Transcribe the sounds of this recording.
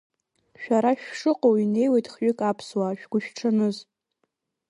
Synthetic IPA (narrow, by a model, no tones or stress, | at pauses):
ʃᶣaɾaʃᶣʂɨqʼowine̞jwejtʼχɥʏkʼapʰswaʃᶣɡ̥ʷʊʃᶣʈ͡ʂʰɨnɨz